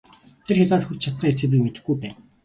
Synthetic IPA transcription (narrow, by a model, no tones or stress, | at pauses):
t̪ʰerxʲat͡saːt̪xurt͡ɕt͡ɕʰat̪sə̆ŋet͡sɘ̆pĭmet̪ɘ̆ɡujpæːn